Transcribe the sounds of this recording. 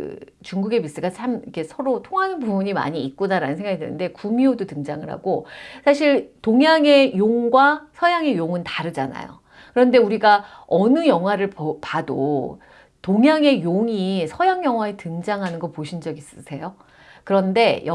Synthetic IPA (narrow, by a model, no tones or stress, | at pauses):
ɯ̰ | t͡ɕuŋɡuɡe̞mis͈ɯɡat͡ɕʰamikʰe̞sʰʌɾotʰoŋɦanɯnpubuɲima̰ɲiːt̚k͈unaɾanɯnsʰeŋɡaɡidɯnɯnde̞kumiodotɯŋd͡ʑaŋɯɭɦa̰ɡosʰaɕʰiɭtoŋjaŋe̞joŋɡwasʰʌjaŋe̞joŋɯntaɾɯd͡ʑana̰jo̰ | kɯɾʌnde̞uɾiɡaʌnɯjʌŋɦwaɾɯɭppado̰ | toŋjaŋe̞joŋisʰʌjaŋjʌŋɦwaetɯŋd͡ʑaŋɦanɯnɡʌpoɕʰind͡ʑʌɡis͈ɯsʰe̞jo | kɯɾʌnde̞j